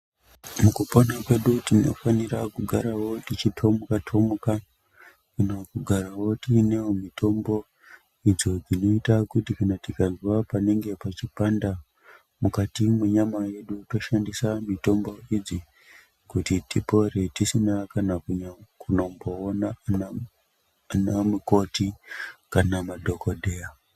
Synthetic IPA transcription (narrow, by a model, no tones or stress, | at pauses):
mukupo̞nakwe̞ɗutino̞̰fanirakuɡʱaɾawo̞tit͡ʃitʰo̞mukatʰo̞muka | kunokuɡʱaɾawo̞tinewomitʰo̞mbo̞ | id͡zo̞d͡zino̞itakutikanatikazwapane̞ŋɡe̞pat͡ʃipanda | mukatimwe̞ɲamaje̞ɗuto̞ʃandisamito̞mbo̞id͡zi | kutitipo̞re̞tisinakanakuɲakuno̞mbo̞ːnana | anamuko̞tikanamadʱo̞koɗe̞ja